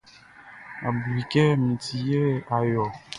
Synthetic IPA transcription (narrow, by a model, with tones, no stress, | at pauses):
a˨bɾi˨kɛ˦mĩ˨ti˨je˦a˨jɔ˨